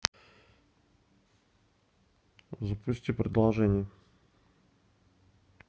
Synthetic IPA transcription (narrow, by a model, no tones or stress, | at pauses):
zɐpusʲt̪ʲipɾɛd̪lˠaʒɛnʲiɛ